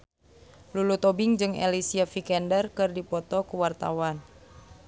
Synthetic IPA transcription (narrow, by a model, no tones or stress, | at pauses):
lulut̪ɔbɪŋd͡ʒɨŋḛlisiafikɛndərkɨrdipɔt̪ɔkuwart̪a̰wan